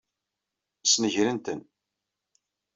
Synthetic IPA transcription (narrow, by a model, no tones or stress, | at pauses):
snəʝɾənt̪ən